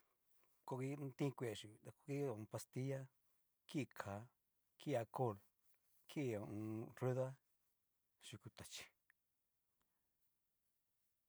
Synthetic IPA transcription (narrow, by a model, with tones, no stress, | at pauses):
ko˧ki˦t̪ĩ˦˧kʷe˨ʃi˨˧˨t̪a˧ko˧ki˦˨ũ˧pa˧st̪i˦ja˦ | ki˦˧kʰa˨˦ | ki˦˧a˧ko˦˨l | kʰi˦˧˨ũ˧ru˦ða˦ | ʃi˧ku˧t̪a˨t͡ʃi̥˧